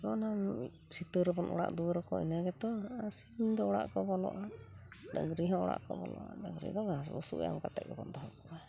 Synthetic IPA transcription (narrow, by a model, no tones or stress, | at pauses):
ɔnan | sit̪əɾɛbɔnʔɔ̰ɽa̰ʔd̪uɾɔkɔḭnaɡɛt̪ɔasid̪ɛɔɽa̰ʔkɔbɔlɔ̰ʔadəŋɡɾiɦɔ̃ɔɽa̰ʔkɔbɔlɔ̰ʔa̰dəŋɡɾḭd̪ɔɡasbusṵʔja̰mkat̪ɛ̰ʔɛbɔnd̪ɔɦɔkɔa